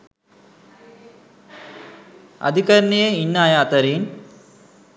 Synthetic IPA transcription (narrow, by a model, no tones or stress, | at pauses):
ɐ̰d̪ʱikɐɾnijeinːaːjaːt̪ɐɾiːn